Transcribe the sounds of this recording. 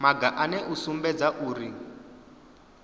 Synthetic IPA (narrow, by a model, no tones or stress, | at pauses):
maɡaʔanɛʔusumbɛd͡zaʔuːri